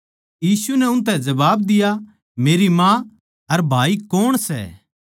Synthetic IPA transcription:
jiːsunɛʊ̃nt̪̬ɛ̃d͡ʒɐbaːbd̪ɪja | meːɾimã | ɐɾbʱaːikoːɽ̃sɛ̰ː

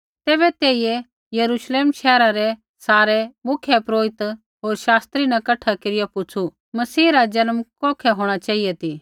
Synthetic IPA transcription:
t̪eːβɛt̪eːije | jɐɾuːʃleːmʃɛːɾaɾɛ | saːɾɛmʊkʰjepɾoːɪt̪ | ɦoːɾʃaːst̪ɾinɐ̃kɐʈʰakeːɾɪjapʊt͡sʰu | mɐsiːɾad͡ʒɐnəmkɔːkʰɛɦoːɽ̃at͡ʃaːijɛt̪i

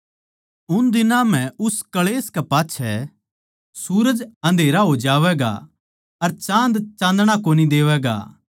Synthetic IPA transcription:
ʊnd̪ɪnãm̤ɛ̃ʊskɐɭeːskɛpaːtːʃʰɛ | suːɾəd͡ʒɐ̃nd̪ʱeːɾaɦod͡ʒaːʋɛːɡa̰ | ɐɾt͡ʃãːnd̪t͡ʃãːnd̪ɽ̃akoːnid̪eːʋɛːɡa̰ː

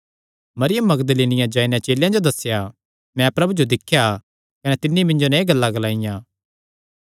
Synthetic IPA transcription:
mɐɾɪjəmːɐɡd̪əliːnɪjãd͡ʒaːinɛ̃t͡ʃeːljãd͡ʒod̪ɐsːja | mɛ̃pɾɐbud͡ʒod̪ɪkʰːja | kɐnɛt̪ɪnːimɪ̃ɲd͡ʒonãĩɡɐlːaɡɐlaːɪjãː

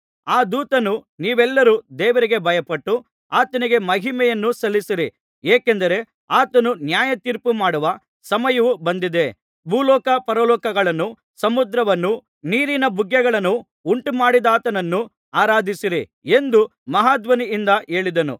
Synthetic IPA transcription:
aːd̪uːt̪ɐnuniːʋɛlːɐɾud̪ɛːʋɐɾiɡe̞bʱɐjɐpɐʈːu | aːt̪ɐniɡe̞mɐɦimɛjɐnːusɐlːisiɾi | eːkend̪ɐɾe̞ | aːt̪ɐnunjaːjɐt̪iɾpumaːɽuʋɐ | sɐmɐjɐʋubɐnd̪id̪e̞ | bʱuːlɔːkɐpɐɾɐlɔːkɐɡɐɭɐnːu | sɐmud̪ɾɐʋɐnːu | niːɾinɐbuɡjɐɡɐɭɐnːu | uɳʈumaːɽid̪aːt̪ɐnɐnːu | aːɾaːd̪ʱisiɾi | e̞nd̪umɐɦaːd̪ʋɐniːnd̪ɐʔe̞ːɭid̪ɐnṵ

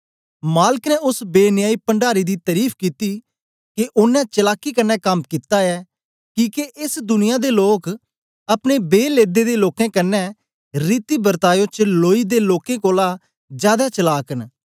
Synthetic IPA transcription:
maːləknɛʊsbeːnɪjaːiːpəɳɖaːɾiːd̪iːt̪əɾiːpʰkiːt̪iː | keʔʊnɛ̃t͡ʃəlaːkiːkənːɛːkəmkit̪aːɛː | kiːkeʔɪsd̪ʊnɪjãːd̪eːloːk | ɐpneːbeːleːd̪eːd̪eːloːkẽːkənːɛ | ɾiːt̪iːbəɾt̪aːjõːt͡ʃəloːiːd̪eːloːkẽːkoːlaː | d͡ʒjaːd̪aːt͡ʃəlaːkən

